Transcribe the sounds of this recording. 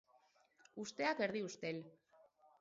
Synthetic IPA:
ust̪e̞ake̞ɾðiust̪e̞l

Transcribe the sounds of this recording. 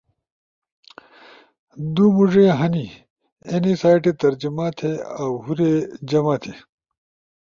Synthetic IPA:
d̪umuʐeɦɐni | enisaːjʈet̪ɐɾd͡ʑimaːt̪ʰeawhuɾed͡ʑɐmaːt̪ʰe

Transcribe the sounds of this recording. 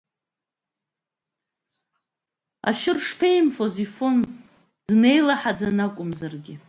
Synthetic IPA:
a̰ʃᶣɪrʂpʰejmfozifon | d̥ne̞jlaħad͡zanakʷʼʊmzarɡʲɪ

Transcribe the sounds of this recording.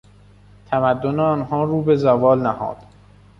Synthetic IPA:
t̪ʰæmæd̪ːoneɒnɦɒːɾuːbezævɒːlnæhɒ̰ːd̪̥

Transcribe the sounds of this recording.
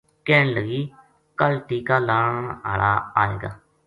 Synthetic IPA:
kɛːɳləɡiː | kəlʈiːkaːlaːɳɳə̰ɭaːaːḛːɡa̰ː

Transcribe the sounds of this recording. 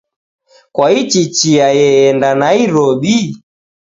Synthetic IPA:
kwait͡ʃit͡ʃiajɛɛndanaiɾɔɓi

